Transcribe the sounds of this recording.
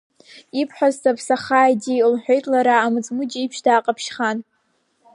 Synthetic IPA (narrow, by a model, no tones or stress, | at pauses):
ipʰħʷᶣaztapʰsaχaːjdilħʷᶣejtʼlaɾaːmɨt͡sʼmɨd͡ʒipʰʃdaːqʼapʰʃχan